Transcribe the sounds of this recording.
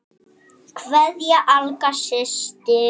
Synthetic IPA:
kʰvɛðjaʔalkaʃɪst̪ɪ

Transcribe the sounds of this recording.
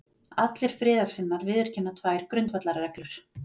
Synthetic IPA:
at̪lɪɾ̥fɾɪːðaɾ̥sɪnːaɾvɪːðʏɾ̥cɪnːat̪ʰvaːjɪɾ̥kɾʏnt̪vat̪laɾaɾɛklʏɾ̥

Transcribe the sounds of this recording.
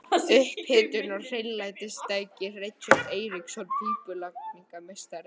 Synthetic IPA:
ʏhphɪːt̪ʏnɔr̥ejnlajt̪ɪst̪ajcɪrɪt͡ʃaɾd̪ejɾiksɔlp̪iːpʏlakmiŋkamejst̪aɾ

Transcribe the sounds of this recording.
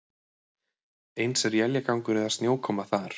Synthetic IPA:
ejnsɛɾjɛljakawŋkʏɾɛðast̪njowkʰɔːmaθaɾ̥

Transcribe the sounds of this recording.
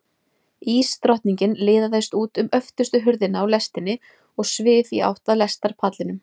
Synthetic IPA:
iːst̪ɾɔht̪niɲcɪnlɪːðaθajst̪uːt̪ʏmœft̪ʏst̪ʏɦʏɾðɪnaːwlɛst̪ɪnːɪ | ɔɣsvɪːθia̰wht̪aðlɛst̪aɾ̥pʰaːt̪lɪnʏm

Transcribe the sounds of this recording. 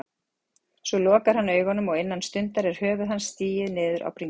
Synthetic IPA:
svɔlɔːkaɾ̥hanːœːɥɣhɔnːʏmɔɣɪnːanst̪ʏnt̪aɾɛɾ̥hœːvʏðɦansːt̪iːjɪðnɪːðʏɾʔa̰wpɾiŋ

